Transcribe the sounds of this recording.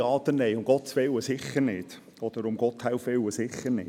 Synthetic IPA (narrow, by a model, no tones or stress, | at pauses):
ɑːd̪ənːɛjʊmɡ̥ɔt̪sʋɪwəsɪχəɾnɪd̥ | ɔd̪̥əɾʊmɡɔt̪ʰhawfɪwəsɪχəɾnɪ̰